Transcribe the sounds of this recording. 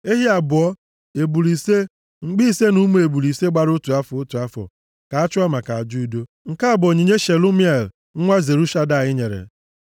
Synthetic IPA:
e˦ɦi˦a˨bʊ˨ɔ˦ | e˨bu˨li˨se˦ | ŋ͡m̩˨ɡ͡bi˦i˦˨se˦nu˦mu˦e˨bu˨li˨se˦ɡ͡ba˦ɾʊ˦tu˨a˦fʊ˨ʊ˦tu˨a˦fɔ̰˨ | ka˨a˦t͡ʃʊ˦a˦ma˨ka˨a˨d͡ʒu˦˨˦do˦ | ŋ̩˨ka˦a˨bʊ˨o˨ɲi˨ɲe˦ʃe˨lu˦mi˦e˨l̩˨˦ŋʷa˦ze˨ɾu˦ʃa˦da˨ɲɪ˦ɲe˨ɾḛ˨

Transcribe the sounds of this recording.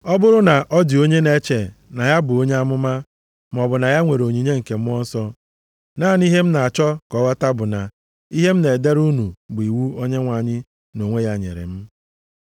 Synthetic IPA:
ɔ˦bʊ˦ɾʊ˦na˨ʔɔ˦dɪ˨o˦ɲe˦ne˦t͡ʃe˨na˨ja˦bʊ˨o˦ɲe˦a˦mʊ˦ma˦ | m˨ɔ˨bʊ˨na˨ja˦ŋʷe˨ɾo˨ɲi˨ɲe˦ŋ̩˨ke˨m̩˦ɔ˦n̩˦sɔ˦ | naː˦˨ni˦ɦe˦m̩˦na˨a˨t͡ʃɔ˦kɔ˨˦wa˦ta˦bʊ˨na˨ | i˦ɦe˦m̩˦ne˨de˦ɾu˦nu˨bʊ˨i˨wu˦o˦ɲe˦ŋʷa˨ɲɪ˦ | no˨ŋʷe˦ja˦ɲḛ˨ɾḛ˨m̩˦

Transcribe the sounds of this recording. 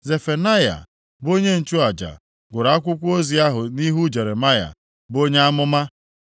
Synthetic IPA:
ze˨fe˨na˦ja̰˨ | bo˦ɲe˦n̩˨t͡ʃu˦a˨d͡ʒa̰˨ | ɡʷʊ˨ɾa˨˦a˦kʷʊ˦kʷu˦o˦zi˨a˦ɦʊ˨ni˦ɦu˦d͡ʒe˨ɾe˨ma˦ja̰˨ | bo˦ɲe˦a˦mʊ˦ma˦

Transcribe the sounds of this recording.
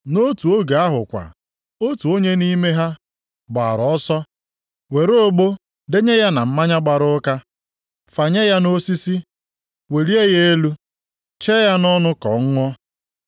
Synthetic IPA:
no˦tu˨o˦ɡe˨a˦ɦʊ̰˨kʷa̰˨ | o˦tu˨o˦ɲe˦ni˦me˦ɦa˦ | ɡ͡ba̰˨ɾɔ˦sɔ˦ | we˨ɾo˦ɡ͡bo˦ | de˦ɲe˦ja˦na˨m̩˦ma˦ɲa˦ɡ͡ba˨ɾʊ˦ka˦ | fa˨ɲe˦ja˦no˦si˦si˦ | we˨ɾi˦e˦ɣe˦e˦lu˦ | t͡ʃe˦ja˦nɔ˦nʊ˦kɔ̰˨ŋ̩˦ŋʷɔ˦

